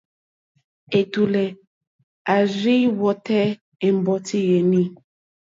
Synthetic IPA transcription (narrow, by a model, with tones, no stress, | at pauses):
e˨tu˨lɛ˨ | a˨zi˦wɔ˨tɛ˦ | e˨m˦bɔ˨ti˦je˨nĩ˦